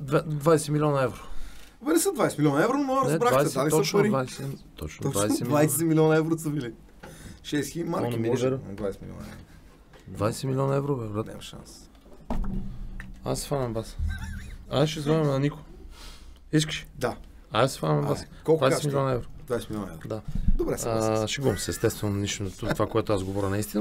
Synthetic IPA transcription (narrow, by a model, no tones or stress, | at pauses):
d̪vad̪vajsɛmilʲiɔnɐɛvɾo | bɛlisəd̪vajsɛmilʲiɔnɐɛvɾonmoɔɾnnɛdbɾakvajsalɔt͡ʃpɐɾɾivajsɛt̪ɔ̰t͡ʃn̰ɔvajɛdvajssɛmilʲiɔnɐɛvɾosəbili | ʃɛsximaɾɔnmiliʒɛɾd̪vajsɛmḭlʲɔ̰nɐɛ̰ɾo | d̪vajsɛmilʲiɔnɐɛvɾovɛɾat̪ɛ̰mɐʃã̰ns | a̰sɛ̥fanɐmvas | aʃɛzvaɾmnɐniko | is̬kə̥ʃɛ̥d̪a | aasɛ̥fanɐmvasdkɔlˠkvajsɛɛmilʲiɔnɐɛvɾod̪vajsɛmilʲɔnɛ̰vɾod̪ad̪obɾɛsʃɛɡɔmsɛst̪ɛst̪vɛnoniʃnt̪ut̪ovakoɛt̪oasɡovɔɾʲənɐist̪ʲinə